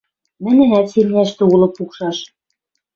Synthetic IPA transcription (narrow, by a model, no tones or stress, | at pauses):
mɘ̆nɘ̆næt̪semnʲæʃt̪ɘ̆ulˠɤ̆pukʃɑʃ